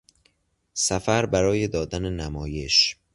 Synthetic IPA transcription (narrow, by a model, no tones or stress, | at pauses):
sæfæɾbæɾɒːje̞d̪ɒːd̪ænenæmɒːje̞ʃ